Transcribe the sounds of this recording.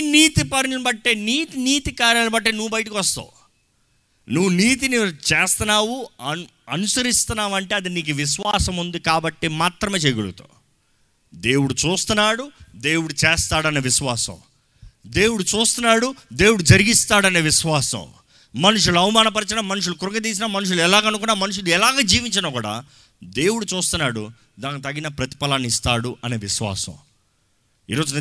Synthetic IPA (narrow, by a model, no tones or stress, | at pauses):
niːt̪ipɐɾnɐnbɐʈːeːniːt̪iniːt̪ikaːɾjalbɐʈ̬ːenuʋːubɐjɐʈikiʋɐst̪a̰ːu | nuʋːuniːt̪̬init͡ʃeːst̪ɐnaːwuɐ | ɐnusɐɾist̪unaːʋɐɳʈe̞ːɐd̪iniːk̬uʋiʃʋaːsɐmund̪ikaːbɐʈːimaːt̪ɾɐmeːt͡ʃeɡuɭṵt̪o̰ː | d̪eːwuɽut͡ʃuːst̪unːaːɽud̪eːwuɽut͡ʃɛːst̪aːɽɐneːʋiʃʋaːsɐ̰̃m | d̪e̞ːwuɽut͡ʃuːst̪unːaːɽud̪e̞ːwuɽud͡ʒɐɾiɡist̪aːɽɐne̞ːʋiʃʋaːsɐ̰m | mɐnuʂ̬uluɐwumaːnɐp̬ɐɾit͡ʃɐnɐmɐnuʂ̬ulukuɾɐŋɡɐt̪̬iːs̬inɐmɐnuʂ̬uluɛlaːɡɐnukunːaːmɐnuʂ̬uluɛlaːɡaːd͡ʒiːʋiɲt͡ʃɐnɐːkuːɽa̰ː | d̪e̞ːwuɽut͡ʃuːst̪unːaːɽu | d̪aːnːit̪ɐɡːinɐpɾɐt̪i̥pɐlɐnist̪aːɽuʔɐne̞ːʋiʃʋa̰ːsɐ̰̃m | ḭːɾo̞ːd͡ʒun